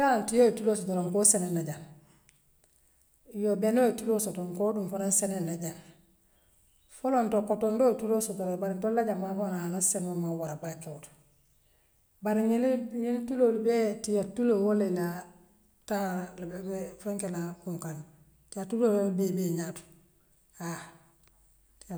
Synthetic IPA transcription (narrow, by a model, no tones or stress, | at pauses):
jantijotulosotoɾoŋkosenenːaɟan | jobenotulosotoŋkoːdumfoɾonsenenːaɟan | folontokotondotulosotoɾobaɾintolaɟammabonahanasenmamawaɾabakot | baɾiɲilɲiltulolibetijatːulowoleɲa | talbebefeŋkenakuŋkan | tiatuloolbebeɲatu̥ | a